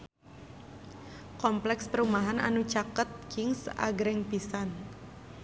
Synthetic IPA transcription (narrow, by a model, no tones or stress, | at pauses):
kɔmplɛkspəɾumaɦana̰nut͡ʃakət̪̚kɪŋsa̰ɡɾɛŋpisan